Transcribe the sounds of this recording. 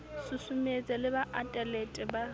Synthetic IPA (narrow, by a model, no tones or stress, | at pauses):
sʊsumet͡sʼɪlɪbaʔatʼɛletʼɪba